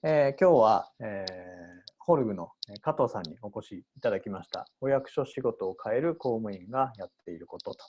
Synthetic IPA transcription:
ekʲo̞ːβaeː | ho̞ɾɯ̟ɡɯ̟no̞kat̪o̞ːsãɲ̟ːio̞ko̞ɕiːt̪ad̪akʲimaɕi̥t̪a̰o̞jakɯ̟̥ɕo̞ɕiɡo̞t̪o̞ːkʰae̞ɾɯ̟ko̞ːmɯ̟ĩŋɡajat̪ːe̞iɾɯ̟ko̞t̪o̞t̪o̥

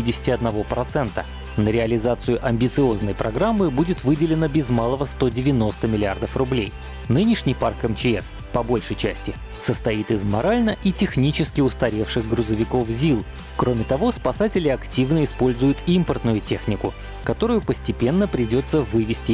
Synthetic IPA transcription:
idʲɪsʲɪ̥tʲɪɐd̪nɐvo̞pɾɐt̪sɛnt̪ə | nəɾʲɪəlʲɪzat̪sɨjʊʔɐmʲbʲɪt̪sɨo̞znəjpɾɐɡɾamːɨbudʲɪt̪vɨdʲɪlʲɪnəbʲɪzmalˠəvəst̪o̞dʲɪvʲɪno̞st̪əmʲɪlʲɪard̪əfrʊblʲej | nɨnʲɪʂnʲɪjparkɛmt͡ɕɪɛs | pɐbo̞lʲʂəjt͡ɕæsʲtʲɪ | səst̪ɐit̪ɨzmɐɾalʲnəʔitʲɪxnʲit͡ɕɪskʲɪʊst̪ɐɾʲe̞fʂɨɣɡɾʊzəvʲɪko̞fzʲilˠ | kɾo̞mʲɪt̪ɐvo̞spɐsatʲɪlʲɪɐktʲivnəɪspo̞lʲzʊjʊt̪impərt̪nʊjʊtʲe̞xnʲɪkʊ | kɐt̪o̞ɾʊjʊpəsʲtʲɪpʲe̞nːəpɾʲɪdʲo̞t̪sːəvɨvʲɪsʲtʲɪ

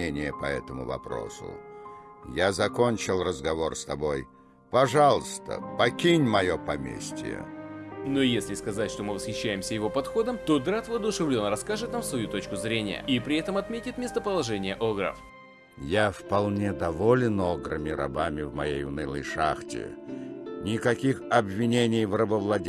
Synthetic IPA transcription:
enʲɪjəpɐɛt̪əmʊ̰vɐ̰pɾo̰sʊ̰ | jazɐkonʲt͡ɕɪlˠrəzɡɐvo̞rst̪ɐbo̞j | pɐʐalˠəst̪ə̰pɐkʲinʲmɐjopɐmʲḛsʲtʲɪ̰jə̰nojesʲlʲɪskɐzatʲʂt̪omɨvəsxʲɪɕːæjɪmsʲəjɪvo̞pɐt̪xo̞d̪əmt̪od̪ɾat̪vəɐd̪ʊʂɨvlʲonəɾɐskaʐɨt̪namfsvɐjut̪o̞t͡ɕkʊzɾʲenʲɪ̰jə̰ipɾʲɪɛt̪əmɐt̪mʲetʲɪt̪mʲest̪əpəlˠɐʐɛnʲɪjəʔoɡɾə̰f | jafpɐlˠnʲed̪ɐvolʲɪnoɡɾɨ̰mʲɪɾɐ̰bamʲɪvmɐ̰jejʊ̰nɨlˠə̰jʂa̰xtʲɪ̰ | nʲɪkɐkʲixɐbvʲɪnʲenʲɪjvrəbəvlˠɐdʲ

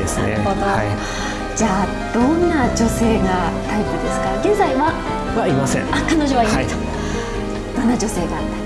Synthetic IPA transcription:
esɨnḛoba | d͡ʑaː | d̪̥õ̞nːad͡ʑo̞se̞ːɡat̪aipɯ̟d̪e̞sɨ̥kaɡẽ̞nzaiβa | βaimasḛ̃akanoʑoβaimai | d̪̥õ̞nːad͡ʑo̞se̞ːɡaːt̪ːa

